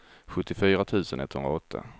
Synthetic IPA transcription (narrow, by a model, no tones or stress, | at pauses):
ɧɵt̪ːɪfyːɾat̪ʰʉ̟ːsənɛt̪ːhɵnɾaɔt̪ʰːa̰